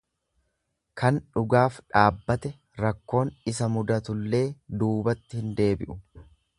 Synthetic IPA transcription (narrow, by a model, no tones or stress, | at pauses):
kɐnᶑʊɡaːfᶑaːbːɐt̪ɛ | ɾɐkːo̞ːnɪsɐmʊd̪ɐt̪ʊlːe̞ːd̪uːbɐt̪ːɪhɪnd̪e̞ːbɪ̰ʔʊ